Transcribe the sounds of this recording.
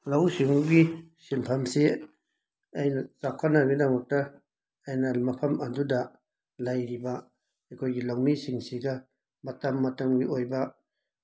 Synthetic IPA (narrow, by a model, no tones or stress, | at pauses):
lawsiŋuɡisimpʰamse | ajnat͡ʃaw̚kʰanaɡidamɐk̚taː | jnalmɐpʰɐmɐduda | lajɾiba | ajkʰojɡilaŋmisiŋsiɡa | mɐtamːɐtɐmɡiojba